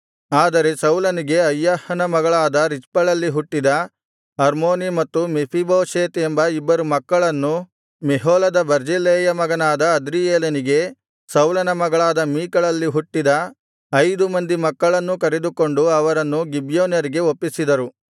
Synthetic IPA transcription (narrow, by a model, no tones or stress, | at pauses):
aːd̪ɐɾe̞sɐwlɐniɡe̞ɐjːaːhɐnɐmɐɡɐɭaːd̪ɐɾispɐɭɐlːiɦuʈːid̪ɐ | ɐɾmoːnimɐt̪ːumepʰiboːʃeːt̪embɐibːɐɾumɐkːɐɭɐnːu | meɦoːlɐd̪ɐbɐɾd͡ʒileːjɐmɐɡɐnaːd̪ɐːd̪ɾijeːlɐniɡe̞ | sɐwlɐnɐmɐɡɐɭaːd̪ɐmiːkɐɭɐlːiɦuʈːid̪ɐ | ɐjd̪umɐnd̪imɐkːɐɭɐnːukɐɾed̪uko̞ɳɖuɐʋɐɾɐnːuɡibjoːnjɐɾiɡe̞opːisid̪ɐɾu